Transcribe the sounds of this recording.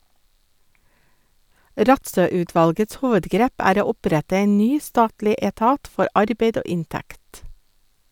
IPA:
ˈɾɑtsœˌʉːˌtʋɑlɡəts ˈhuːʋədˌɡɾeːp ˈæːɾ ˈoː ˈʊˌpɾætə ˈeːn ˈnyː ˈstɑːtlɪ eːˈtɑːt ˈfɔɾ ˈʔɑɾbeɪd ˈoː ˈɪnˌtækt

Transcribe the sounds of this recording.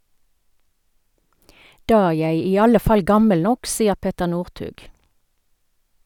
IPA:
ˈdɑː ˈæː ˈjæɪ ˈiː ˈɑlə ˈfɑl ˈɡɑməl ˈnɔk ˈsiːəʁ ˈpɛtəʁ ˈnuːʁˌtʉːɡ

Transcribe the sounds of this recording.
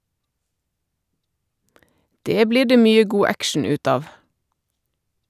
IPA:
ˈdeː ˈbliː ˈɖeː ˈmyːə ˈɡuː ˈækʃɳ̩ ˈʉːt ˈɑːʋ

